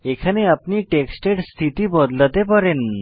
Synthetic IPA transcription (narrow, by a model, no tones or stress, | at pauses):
ekʰaneapniʈeksʈeɖst̪ʰit̪ibɔd̪lat̪epɔɾen